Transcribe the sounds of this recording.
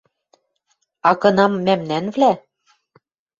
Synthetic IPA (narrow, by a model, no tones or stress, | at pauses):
ɑkɤ̆nɑmːæmnænvlæ